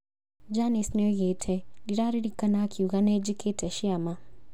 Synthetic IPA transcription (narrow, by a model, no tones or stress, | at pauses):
d͡ʒanesnɛɔɣetʰɛdiɾaɾiɾikanakʰiuɣanɛd͡ʒikʰetɛʃiama